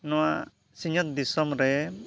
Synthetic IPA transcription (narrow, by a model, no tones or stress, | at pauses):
nɔwa | siɲɔt̪̚d̪isɔmɾɛ